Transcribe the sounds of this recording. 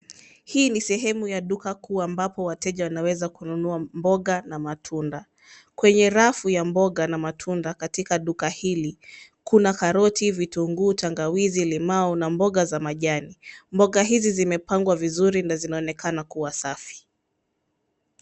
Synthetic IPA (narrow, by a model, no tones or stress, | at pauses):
hiːnisɛɦɛmujaɗukakuːambapɔwatɛʄawanawɛzakununuambɔɠanamatʰunda | kwɛɲɛɾafujambɔɠanamatʰundakatikaɗukahilikunakaɾɔtivituŋɡuːtʰaŋɡawizilimaɔnambɔɠazamaʄanimbɔɠaɦizizimɛpaŋɡwavizuɾinazinaɔnɛkʰanakuwasafi̥